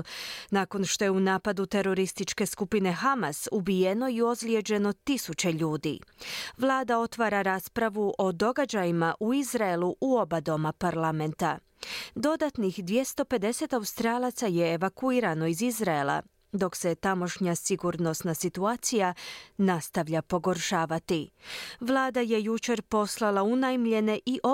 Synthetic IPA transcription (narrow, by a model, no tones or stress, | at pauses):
naːko̞nʃt̪o̞jeunaːpad̪ut̪e̞ɾo̞ɾist̪it͡ʃke̞skupine̞xamasubijeno̞io̞zlje̞d͡ʒe̞no̞t̪isut͡ɕe̞ʎuːd̪ḭʋlˠaːd̪ao̞t̪ʋaːɾaɾaːspɾaʋuʔo̞d̪o̞ɡad͡ʑajimaʔuizɾaeluʔuo̞bad̪o̞mapaɾlame̞nt̪a | d̪o̞d̪at̪nixd̪ʋje̞st̪o̞pe̞d̪e̞se̞t̪aust̪ɾaːlˠat̪saje̞ːʋakuiːɾano̞izizɾae̞lˠa̰ | d̪o̞kse̞t̪amo̞ʃɲasiɡuɾno̞snasit̪uaːt̪sijanast̪aʋʎapo̞ɡo̞ɾʃaːʋat̪iʋlˠaːd̪aje̞jut͡ʃe̞ɾpo̞slˠalaunajmʎe̞ne̞ʔiʔo